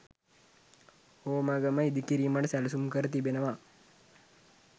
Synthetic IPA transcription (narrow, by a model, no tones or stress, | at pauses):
oːmɐɡɐmɐid̪ikiɾimɐɖɐsɛlɐsumkɐɾət̪ibenɐʋa